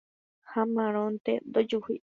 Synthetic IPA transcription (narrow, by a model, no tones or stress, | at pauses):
hamãɾ̃ont̪ed̪od͡ʒuhḭ